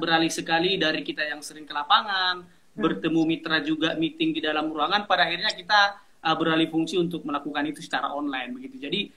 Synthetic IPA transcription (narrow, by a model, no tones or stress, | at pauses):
bəɾalisəkalidaɾikit̪ajaŋsəɾɪŋkəlapaŋan | bərt̪əmumit̪ɾad͡ʒuɡamit̪ɪŋdidalamɾuaŋanpadaːhirɲakit̪a | ʔəbəɾalifuŋsiunt̪̬ʊk̚məlakukanit̪usə̥t͡ʃaɾa̰ɔnlajnbəɡit̪ud͡ʒadi